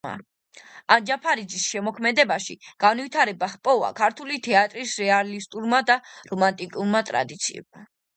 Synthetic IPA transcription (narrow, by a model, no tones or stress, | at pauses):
a̰ | and͡ʒapʰaɾid̪zisʃɛmɔkʰmɛd̪ɛbaʃiɡ̥anvit̪ʰaɾɛbahpʼɔva̰kʰaɾt̪ʰulit̪ʰɛat̪ʼɾisɾɛalist̪ʼuɾmad̪aɾɔmant̪ʼikʼuɾmat̪ʼɾa̰d̪it̪sʰḭɛ̰ma